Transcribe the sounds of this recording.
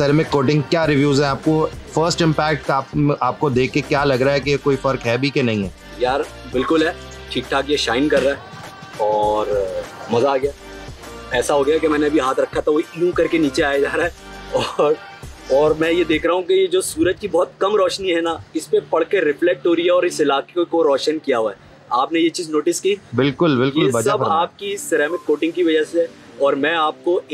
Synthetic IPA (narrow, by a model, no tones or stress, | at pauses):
seɾemẽkoːʈɪ̃ŋɡkjaːɾɪʋjuːzɦɛ̃aːp̚kofəɾsʈɪ̃mpɛːk̚ʈaːpʔaːp̚kod̪eːkʰːekjaːlɐɡɾaɦɛkejkoːifɐɾkɦɛːbʱikenɐɦĩɦɛː | jaːɾ | bɪlkʊlɦɛː | ʈʰiːk̚ʈʰaːkjeʃaːɪnkɐɾːaɦɛ | ɔːɾmɐzaːɡjaː | ɛːsaɦoːɡɐjakemɛ̃ːneɐbʱiɦaːt̪ʰɾɐkʰːat̪ʰaʋoijũkɐɾkeniːt͡ʃeaːjed͡ʒaːɾaɦɛː | ɔːɾ | ɔːɾmɛ̃ːjed̪eːkʰɾaːɦũkejed͡ʒoːsuːɾəd͡ʒkibɔɦʊt̪̚kɐmɾɔːʃniɦɛnaɪspepɐɽkeɾɪflɛk̚ʈoːɾijaɔːɾɪsɪlaːkekokoɾɔːʃənkijaɦoaɦɛ | aːpnejet͡ʃiːznoːʈɪskibɪlkʊlbɪljʊleɐsɐbaːp̚kiɪsːɪɾɛːmɪkːoːʈɪ̃ŋɡkiʋɐd͡ʒəseɛ | ɔːɾmɛ̃ːaːp̚ko